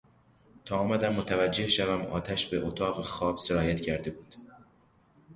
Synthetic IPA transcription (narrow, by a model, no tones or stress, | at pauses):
t̪ʰɒːmæd̪æmːot̪ʰævæd͡ʒːe̞hʃævæmɒ̰ːt̪ʰæʃbe̞ʔot̪ʰɒːɣexɒːb̥se̞ɾɒːjæt̪cʰæɾd̪e̞buːd̪̥